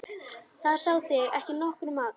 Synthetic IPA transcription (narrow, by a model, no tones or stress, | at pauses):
θað̥saːwθɪɣɛhcɪnɔhkʏɾʏmaːk